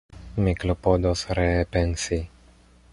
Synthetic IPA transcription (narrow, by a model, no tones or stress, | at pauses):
miklopod̪osɾepensi